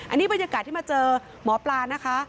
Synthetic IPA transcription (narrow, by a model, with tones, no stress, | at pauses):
ʔa˧nːiː˦˥bea˧njaː˧kaː˨˩t̪̚ʰːi˥˩ma˧t͡ɕɤː˧ | mɔː˩˦plaː˧na˦˥kʰa˦˥ʔ